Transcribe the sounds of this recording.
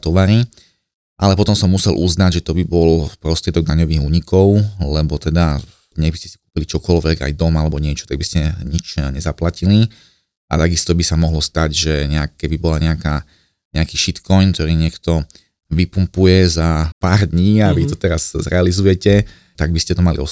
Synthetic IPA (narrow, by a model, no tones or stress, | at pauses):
t̪ɔʋaɾi | ʔalɛpɔt̪ɔmsɔmːusɛlʔuznaɟʒɛt̪ɔbibɔlpɾɔst̪ɾɪɛd̪ɔɡd̪aɲɔʋiːɣuːɲikʰɔʊlɛbɔt̪ɛd̪a | ɲɛbiscɛ̥si̥ku̥ːpilit͡ʃɔkɔlʋɛɡa̰jd̪ɔmalɛbɔɲɪɛt͡ʃɔ̥t̪aɡ̚biscɛɲit͡ʃɲɛzaplacili | ʔa̰t̪aɡist̪ɔbisamɔɦlɔst̪aɟʒɛɲɛakkːɛbibɔlaɲɛakaː | ɲɛakiːʃit̪kɔjnkt̪ɔɾiːɲɪɛkt̪ɔ | ʋipumpujɛzapaːɾd̪ɲiːaʋit̪ɔt̪ɛɾazzɾɛalizujɛcɛ | t̪aɡ̚biscɛt̪ɔmalḭɔ